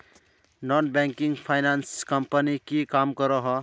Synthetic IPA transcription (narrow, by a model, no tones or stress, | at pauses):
nɔnbaŋkiŋpʰajnanskʌmpənikikamkʌɾʌɦʌ